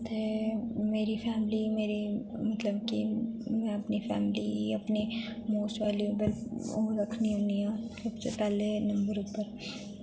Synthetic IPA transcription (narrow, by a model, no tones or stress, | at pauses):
t̪emeːɾifʰɛːmlimeːɾimɐt̪ləbkimɛ̃ɐpnifʰɛ̰ːmliɐpnimoːsʋaːliobəloɾɐkʰniɦoːniãːsɐbsḛpɛːlenɐ̃mbəɾʊpəɾ